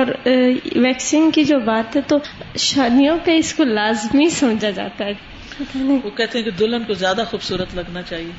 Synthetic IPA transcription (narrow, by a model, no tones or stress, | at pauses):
ɔːɾʋɛːksɪ̃ŋɡkid͡ʒoːbaːt̪ɦɛt̪oʃaːlijõpeɪskolaːzmisɐmd͡ʒad͡ʒa̰ːt̪aɦɛ̃ | ʋoːkɛɦt̪eɦɛ̃ked̪ʊlənkozjaːd̪axuːbsuːɾət̪lɐɡnat͡ʃaːɦieː